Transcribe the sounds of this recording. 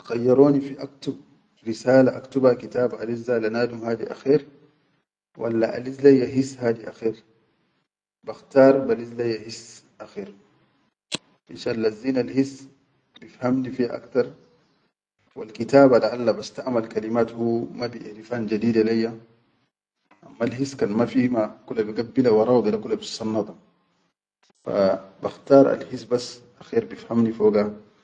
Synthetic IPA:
xajːɑɾˤoːnifiʔakt̪ub̚ | ɾisaːlaʔakt̪ubhakit̪aːbʔalizːalanaːd̪umhaːd̪iʔa̰xiːɾ | wʔa̰lːaʔa̰lizlajːaɦisːhaːd̪iʔaxiːɾ | baxt̪ɑːɾˤbalizlajːahis | ʔaxiːɾ | ʔiʃalːazːiːnalhis | bifhamnifiːha̰ʔa̰kt̪ɑɾˤ | walkit̪aːbalaʔalːabast̪aʔmalkalimaːt̪huːmabiɾifaːnd͡ʒad̪iːd̪alajːa | ʔamːalhiskaːnmafimakulːabiɡabːilawɑɾˤɑːwd̪ˤilakulːabisɑnːɑt̪ˤɑ | fa̰baxt̪ɑːɾˤa̰lhisbasʔaxiːɾbifhamnifoːɡa

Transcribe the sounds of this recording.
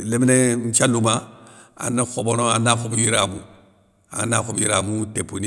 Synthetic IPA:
leminen̩t͡ʃalumaa̰naxobonoanakobujiɾamṵ | a̰nakobjiɾamutepuni

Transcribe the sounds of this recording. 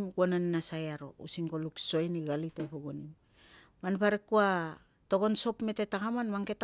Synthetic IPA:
mɡonanːasajaɾo̞̰ṵsiŋkolukso̞jniɡalitepoɡonim | manpaɾekua | to̞ɡo̞nso̞pme̞te̞takamanmaŋke̞t

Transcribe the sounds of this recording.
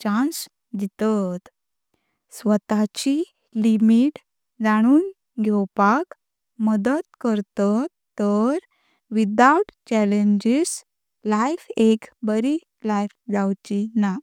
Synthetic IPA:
t͡ɕãns | d͡ʑit̪at̪ | sʋət̪at͡ɕi | limiʈ | d͡zaɽ̃uːn | ɡʱɛwpak | məd̪ət̪kəɾt̪ə | t̪ːəɾ | ʋid̪awʈt͡ɕæleɲd͡ʑis | lajfekbəɾi | lajfd͡zawt͡ɕina

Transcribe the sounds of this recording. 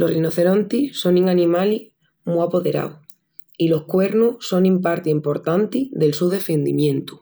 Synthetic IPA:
lo̞rinoθe̞ɾont̪iso̞niŋanĩmali | muapo̞ðe̞ɾa̰w | ilo̞hkwe̞ɾnuso̞nĩmpaɾt̪eimpo̞ɾt̪ant̪iðe̞lsuðe̞fe̞nd̪imjẽ̞nt̪u̥

